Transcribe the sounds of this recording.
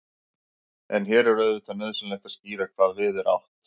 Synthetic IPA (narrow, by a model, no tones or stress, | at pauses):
ɛ̰nçɛːɾɛɾœðʏt̪ʰanœðsʏnlɛht̪ḁsciːɾakʰv̥aːðvɪðɛɾa̰wht̪